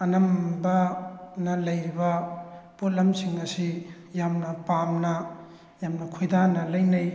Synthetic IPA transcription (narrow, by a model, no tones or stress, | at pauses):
ɐnɐmbɐnɐlɐjibɐput̚lɐmsiŋnɐsi | jamnɐpamnɐ | jamnɐkʰojdanɐlɐjnɐj